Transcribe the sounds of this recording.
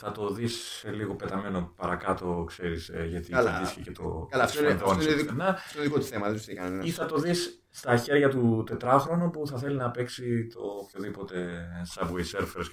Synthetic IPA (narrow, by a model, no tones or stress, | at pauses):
θɐt̪o̞ðisːeliɣo̞pe̞t̪ɐme̞no̞pɐɾɐkɐt̪o̞kse̞ɾisʝɐt̪iɐdiθçecet̪o̰kɐlaft̪onnonnenɐtoðikot̪u̥θemɐðessikɐnɐiθɐt̪o̞ðisː | t̪ɐçe̞ɾʝɐt̪ut̪e̞t̪ɾɐxɾo̞nupuθɐθe̞linɐpe̞ksit̪o̞pço̞ðipo̞t̪e̞sɐbwejseɾfeɾs